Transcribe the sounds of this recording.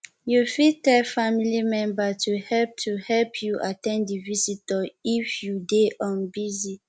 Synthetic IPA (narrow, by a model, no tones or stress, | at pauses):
jufitɛlfamilimɛ̃mbatuhɛlp̚tʰuhɛlpʰjuʔatɛ̃ndivisitɔifjudeʔɔ̃nbizi